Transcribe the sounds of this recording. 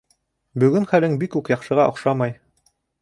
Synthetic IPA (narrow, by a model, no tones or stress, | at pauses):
bɵ̆ɡɘnχælɘŋbikʉkjɑqʃɤ̆ʁɑʔŏqʃɑmɑj